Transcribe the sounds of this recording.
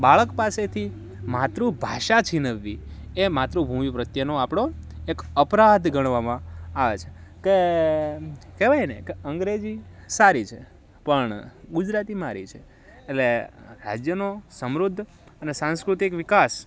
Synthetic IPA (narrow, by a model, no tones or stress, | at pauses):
baɭəkpaset̪ʰi | mat̪ɾũbʱaʃat͡ʃʰinəʋːi | emat̪ɾũbʱumipɾət̪jənoapɽ̃oekəpɾad̪ʱɡʱəɳ̃ʋamãaʋet͡ʃʰe̥ke | kɛʋajnḛkeəŋɡɾed͡ʒisaɾit͡ʃʰe | pəɳɡud͡ʒɾat̪imaɾḭt͡ʃʰeː | tleɾa̰d͡ʒjənosəmɾud̪ʱː | ənesãnskɾut̪ikʋikas